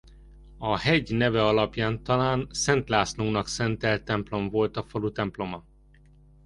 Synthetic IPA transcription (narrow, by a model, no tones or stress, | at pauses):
ɒhɛɟnɛvɛɒlɒpjaːnt̪ɒlaːnsɛnt̪laːsnunɒksɛnt̪ɛlt̪ɛmplo̞ɱvo̞lt̪ɒfɒlut̪ɛmplo̞mɒ